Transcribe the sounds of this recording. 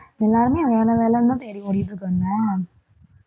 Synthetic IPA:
ɛlːaːɾɯmeːɐjaːnɐʋeːlɛnːɐ̃t̪eːɾimʊɽɪjðːɯkːaŋɡɐ

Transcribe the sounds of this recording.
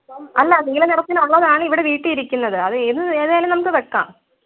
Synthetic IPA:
ɐlːɐðeŋɡilɐnirɐt̪ːinɐɭːɐðaːɳiʋiɽeʋiːʈːɨiɾikʲːunːɐðɨɐðɨenːɨðeːjalumnɐmukːɨʋeʈːa̰ːm

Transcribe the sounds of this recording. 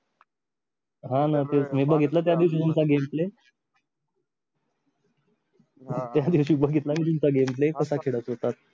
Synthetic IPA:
ɦãnat̪emibəɡʱet̪lət̪̬jad̪iʋɕ̬iːt̪umt͡saɡemple | t̪jad̪iʋɕiːubəɡʱet̪lamiːt̪̬umt͡saɡemplekəsakʰeɽət͡sɦot̪at̪̚

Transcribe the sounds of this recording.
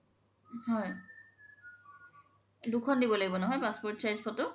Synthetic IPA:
hɔj | dukʰɔndibɔlaɡibɔnɔɦɔjpaspɔtsajzpʰɔtʊ

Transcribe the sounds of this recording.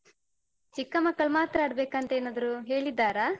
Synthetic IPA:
t͡ʃikːɐmɐkːɐɭmaːt̪ɾɐːɽbeːkɐnt̪eeːnaːd̪ɐɾuːɦe̞ːɭid̪ːaːɾa

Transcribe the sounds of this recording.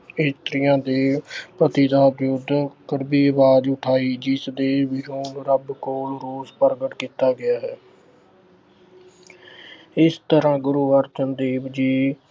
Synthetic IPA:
ɪːst̪ɾɪjãːd̪eːpət̪iːd̪aːbjʊd̪kəɾbiːʋaːd͡ʒʊʈʰaːiːd͡ʒɪsd̪eːʋɪɾoːnɾəbkoːlɾoːzpəɾɡəʈkiːt̪aːɡɪjaːɦɛː | ɪst̪əɾãːɡʊɾuːəɾt͡ʃənd̪eːbd͡ʒiː

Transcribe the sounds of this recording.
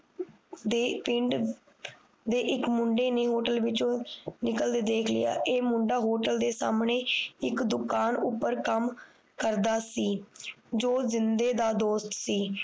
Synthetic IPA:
d̪eːpɪɳɖ | d̪eːʔɪkmʊɳɖeːnẽːɦoːʈəlʋɪt͡ʃõːnɪkəld̪eːd̪eːkʰlɪ̰ja̰ːʔeːmʊɳɖaːɦoːʈəld̪eːsa̰ːmneːɪkd̪ʊkaːnʊpːəɾkəm | kəɾd̪aːsiːd͡ʒoːzɪnd̪eːd̪aːd̪oːst̪siː

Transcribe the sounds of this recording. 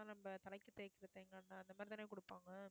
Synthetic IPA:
ãnɐmbɐt̪ɐɭɐɪkːɯt̪eːkːɪɾɐðeːŋɡɐnːaːɐnd̪ɐmaːɾt̪aːneːkʊɽɯpːaːŋɡɐ

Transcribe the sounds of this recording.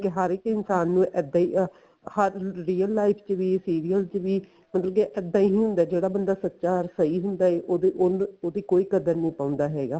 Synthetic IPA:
kɪɦəɾɪkɪnsaːnːũːʔɛːd̪aːi | həɾːiːəlːaːɪpʰt͡ʃʋiːsiːɾiːəlt͡ʃʋiː | mət̪ləkeʔɛːd̪ãːiːɦiːɦʊ̃nd̪aːd͡ʒeːɽaːbənd̪aːsət̪ːʃaːɾsəiːɦʊnd̪aːeːʔoːd̪eʔonoːd̪iːkoːiːkəd̪əɾnĩːpãːʊ̃nd̪aːɦɛːɡaː

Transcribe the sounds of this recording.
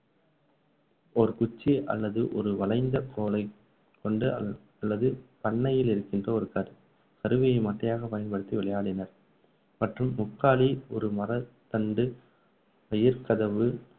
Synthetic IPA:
ɔɾɯkʊt͡ʃːiʔɐ̰lːɐðɯʔɔɾɯʋɐɭɐɪnd̪ɐkʰoːlɐɪ | kːɔɳɖɯ | ɐlːɐðɯpɐɳːɐjɪlɪɾɯkːɪndrɐɔɾɯkɐɾɯ | kɐɾɯʋɪjɐɪmaʈːɐjaːɣɐpɐjɐnpɐɽɯt̪ːiʋɪɭɐjaːɽɪnɐɾ | mɐʈrɯmːʊkːaːɭiɔɾɯmɐɾɐt̪ːɐɳɖɯ | pɐjɪɾkɐðɐʋɯ

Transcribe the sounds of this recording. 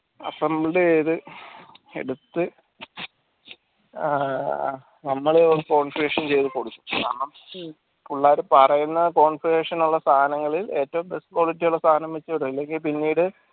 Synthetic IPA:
ɐ̰pːɐmːɐɭɖeːðɨ | ḛɽut̪ːɨ | nɐmːɐɭeoɾuko̞ːɳfiɾeːʂɐnt͡ɕe̞jt̪uko̞ɽuk̪ːu̥mka̰ːɳɐm | uɭːaːoɾupɐrɐjunːɐko̞ːɳfiɾeːʂɐnuɭːɐst̪ʰaːɐnɐŋːɐɭile̞ːtːɐʋumbe̞spoːɭitːijuɭːɐst̪ʰaːɐnɐmʋet͡ɕːɐɽuɐlːe̞ŋɡilpinːiːɽɨ

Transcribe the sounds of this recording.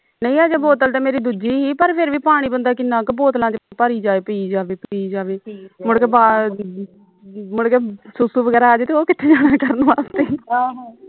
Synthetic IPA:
nə̃ĩːaːd͡ʒeːboːt̪əlt̪eːmeːɾiːd̪uːd͡ʒiːɦiːpəɾpʰɪɾʋiːpaːɽ̃iːbənd̪aːkɪnːãːkɪboːt̪lãːt͡ʃpəɾiːd͡ʒaːeːpəiːd͡ʒaːʋeːpiiːd͡ʒaːʋeːmʊɽkeːbaː | mʊɽkeːsʊsuːbəɡɛːɾaːəːd͡ʒt̪eːoːkɪt̪ʰːeːd͡ʒaːnaːkəɾənʋaːst̪eːa

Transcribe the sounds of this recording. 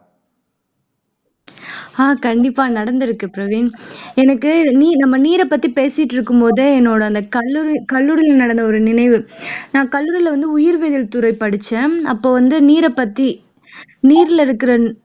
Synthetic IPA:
aːkɐɳɖɪpːaːnɐɽɐnd̪ɪɾɯkːɯpɪɾɐʋiːnɛnɐkːɯniːnɐmːɐniːɾɛpːɐt̪ːipeːsɪʈːɪɾɯkːɯmpoːðɯɛnːoːɽɐɐnd̪ɐkɐɾɪkɐlːuːɾɪlnɐɽɐnd̪ɐɔɾɯnɪnɐɪʋɯnãːkɐlːʊːɾɪlɐʋɐnd̪ɯʊjɪɾʋeðɪlt̪ʊɾɐɪpɐɽɯt͡ʃːɐ̃ːɐpːoːʋɐnd̪ɯniːɾɛpːɐt̪ːi | niːɾɪlɪɾɯkːɪɾɐ

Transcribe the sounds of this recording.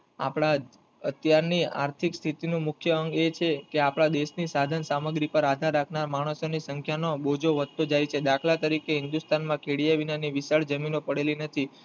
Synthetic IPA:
a̰pɳ̃a | ət̪jaɾnia̰ɾt̪ʰikst̪ʰit̪inũmʊkʰjəəŋɡet͡ʃʰekeapɽ̃ad̪eʃnisad̪ʱənsaməɡɾipəɾad̪ʱaɾːakʰnaɾmaɽ̃əsonisəŋkʰjanobod͡ʒoʋət̪ːod͡ʒajt͡ʃʰed̪akʰlat̪əɾikeɦɪnd̪ust̪anmãkʰeɽijaʋinaniʋisaɭd͡ʒəminopəɽelinət̪ʰi

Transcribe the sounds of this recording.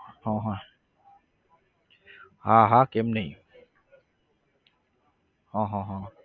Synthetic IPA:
hɔɦɔ | haɦakemni | hɔɦɔɦɔ

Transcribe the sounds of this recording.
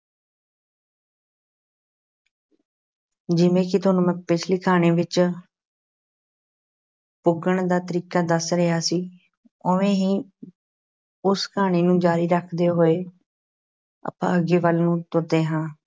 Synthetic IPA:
d͡ʒɪʋẽːkɪt̪ʊaːnũːmɛ̃pɪt͡ʃʰliːkʰaːñẽːʋɪt͡ʃ | pʊɡəɳd̪aːt̪əɾiːkaːd̪əsɾəjaːsiː | oʋẽːɦiː | ʊskʰaːɳeːnũːd͡ʒaːɾiːɾəkʰd̪eːɦoːeː | ə̰pã̰ːəɡeːʋəlnũːt̪ʊɾd̪eːɦãː

